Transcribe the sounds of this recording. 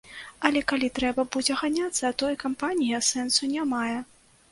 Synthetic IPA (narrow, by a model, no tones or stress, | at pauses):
ɐlʲɛkalʲit̪ɾɛbɐbud͡zʲɛɣanʲat̪sːɐt̪ɔjkampanʲijɐsɛnsunʲamajɛ